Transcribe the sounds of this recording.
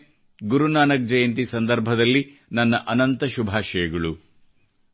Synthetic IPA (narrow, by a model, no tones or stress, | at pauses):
ɡuɾunaːnɐk̚d͡ʒɐjɐnt̪isɐnd̪ɐɾbʱɐd̪ɐlːinɐnːɐʔɐnɐnt̪ɐʃubʱaːʃɐjɐɡɐɭu